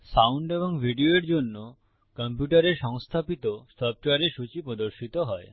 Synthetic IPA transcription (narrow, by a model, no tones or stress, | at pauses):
sawɳɖeboŋbʱiɖioeɾd͡ʑonːo | kəmpjuʈaɾeɾʃɔŋst̪ʰapit̪osɔp̚ʈoaɾeʃut͡ɕipɾod̪oɾʃit̪oɦɔe